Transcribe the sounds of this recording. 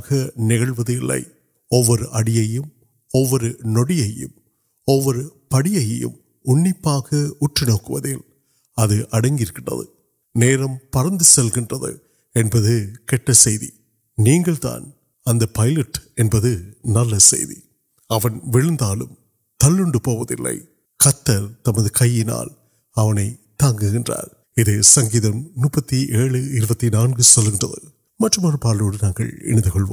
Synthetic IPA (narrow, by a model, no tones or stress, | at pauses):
ɣɐnɪɣɐɭʋɐðɪlːɐ̰ɪ | ɔʋːɔɾɯʔɐɽɪjɐjɯm | ɔʋːɔɾɯnɔɽɪjɐjɯ̰m | ɔʋːɔɾɯpɐɽɪjɐjɐ̰jɯ̰m | ʊɳːɪpːaːɣɐʊʈrɪnoːkːɯʋɐ̰ðɪl | ɐðɯʔɐɽɐŋɡɪɾɯkːɪɳrɐ̰ðɯ̰ | neːɾɐmpɐɾɐnd̪ɯsɛlɣɪndrɐðɯ̰ | ɛnbɐðɯkɛʈːɐsɛjðḭ | niːŋɡɐɭt̪a̰ːn | ɐnd̪ɐpɐjlɐʈɛnbɐðɯnɐlːɐsɛ̰jðḭ | ɐʋɐnʋɪɻɯnd̪aːlɯm | t̪ɐlːɯɳɖɯpoːʋɐðɪ̰lːɐ̰ɪ | kɐt̪ːɐɾt̪ɐmɐðɯkɐjːɪna̰ːl | ɐʋɐnɐɪt̪aːŋɡɯɣɪndra̰ːɾ | ɪðeːsɐŋɡiːðɐmnuːpːɐt̪ːiʔeːɭɯɪɾɯbɐt̪ːinaːnɡɯsɔlːɣɪndrɐðɯ | mɐʈːrɯmaːrɯpaːɾloːɽɯnaːŋɡɐ̰ɭɛ̰nɪnd̪ɯkɔɭʋo̰ːm